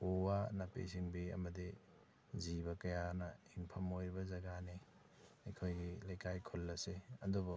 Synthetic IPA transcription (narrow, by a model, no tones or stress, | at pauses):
owanapḛsiŋbiɐ̰mɐdi | zibɐkɐjanɐiŋpʰɐmojɾibɐzɐɡane | ɐjkʰojɡilɐjkajkʰolːɐseɐdubɔ